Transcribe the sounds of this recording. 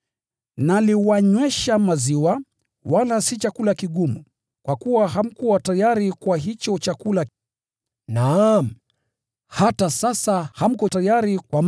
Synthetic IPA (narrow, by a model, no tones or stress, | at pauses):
naliwaɲwɛʃamaziwa | walasit͡ʃakulakiɠumu | kwakuwaɦam̩kuwatajaɾikwaɦit͡ʃɔt͡ʃakula | nam̩ | hatasasaham̩kɔtajaɾikwam